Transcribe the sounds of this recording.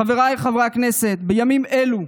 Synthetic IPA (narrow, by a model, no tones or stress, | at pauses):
aveʁajχavʁakneset̪bejamimelu